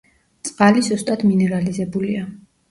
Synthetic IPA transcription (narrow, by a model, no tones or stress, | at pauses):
t̪sʼqʼalizust̪ʼad̪minɛɾalizɛbulia